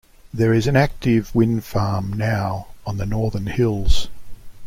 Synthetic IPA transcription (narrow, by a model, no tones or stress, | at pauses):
ðə˞ɪzɨ̃næk̚tɪvwɪ̃nd̥fɑɹmnaʊə̃nðɨnɔɹðə˞nhɪlˠz̥